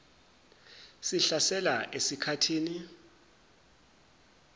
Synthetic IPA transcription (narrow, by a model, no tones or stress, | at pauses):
siɬasɛlaʔesikʰatʰiːni